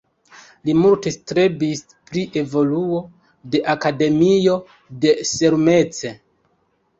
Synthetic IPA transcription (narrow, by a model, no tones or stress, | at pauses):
limulte̞stɾebis | pɾiʔe̞vo̞luo̞ | de̞ʔakade̞mio̞ | de̞seɾme̞t͡se